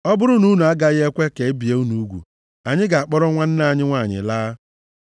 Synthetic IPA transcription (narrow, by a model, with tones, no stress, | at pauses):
ɔ˦bʊ˦ɾʊ˦nu˦nu˨a˦ɡa˦ɣe˦kʷe˦ke˨e˦bi˨e˦u˦nu˨˦ɡʷṵ˨ | a˨ɲɪ˦ɡa˨a˨k͡pɔ˦ɾɔ˦ŋʷa˦n̩˦na˦˨ɲɪ˦ŋʷa˦˨ɲɪ̰˨laː˦